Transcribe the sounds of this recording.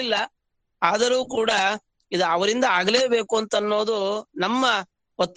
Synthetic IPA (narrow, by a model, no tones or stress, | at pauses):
lːɐ | aːd̪ɐɾuːkuːɽɐ | id̪uɐʋɐɾind̪ɐaːɡɐleːbe̞ːkuɐnt̪ɐnːo̞ːd̪unɐmːɐ | ɔt̪ː